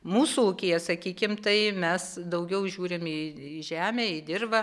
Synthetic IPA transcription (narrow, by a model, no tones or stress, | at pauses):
muːsuukʲejɛsɐkʲiːkʲɪmt̪ɐɪmʲɛsd̪ɐʊɡʲɛʊʒʲuːɾʲɪmɪɪʒʲæːmʲeːɪd̪ʲɪrbɐ